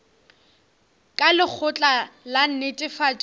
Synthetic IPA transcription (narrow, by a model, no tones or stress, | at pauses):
kʼalɪk͡xʰʊt͡ɬʼalan̩netʼɪfat͡ʃʼ